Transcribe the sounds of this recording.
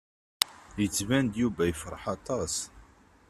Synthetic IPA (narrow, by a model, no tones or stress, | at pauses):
jət͡sːvænd̪juvæjəfɾˤəħɑt̪ˤɑs